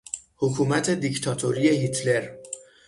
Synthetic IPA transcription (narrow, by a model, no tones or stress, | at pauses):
hokʰuːmæt̪ʰe̞d̪ict̪ʰɒːt̪ʰoɾijeɦit̪ʰle̞ɾ